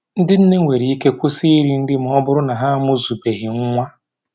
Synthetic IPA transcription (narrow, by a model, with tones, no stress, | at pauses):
n̩˦dɪ˦n̩˦ne˦ŋʷe˨ɾi˨˦i˦ke˦kʷu˦si˦i˦ɾi˦n̩˦dɪ˦m̩˨ɔ˦bʊ˦ɾʊ˦na˨ɦa˦mʊ˦zu˨be˨ɦɪ˨ŋ̩˦ŋʷa˦